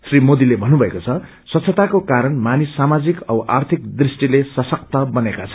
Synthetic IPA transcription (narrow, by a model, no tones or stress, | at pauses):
srimod̪ilebʱʌnːubʱʌekot͡sʰʌ | swʌt̪sʰʌt̪akokaɾʌnmanisːamad͡zikʌbʌʔa̰rt̪ʰik̚d̪risʈilesʌsʌk̚t̪ʌbʌnekat͡sʰʌ̥